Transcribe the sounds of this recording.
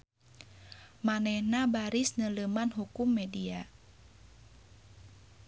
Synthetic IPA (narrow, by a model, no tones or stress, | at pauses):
manɛhnabaɾisnələmanɦukumːɛdia